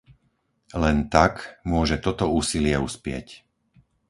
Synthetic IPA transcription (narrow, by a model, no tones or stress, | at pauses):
lɛnt̪akmʊɔʒɛt̪ɔt̪ɔuːsilɪɛuspɪɛ̰c